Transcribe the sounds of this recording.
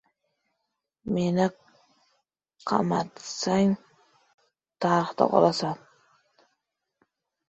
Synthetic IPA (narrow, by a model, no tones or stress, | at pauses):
menɪ | qʰɑ̰mat̪saŋ | t̪ʰaɾɪχt̪a̰qʰɒ̰lˠasam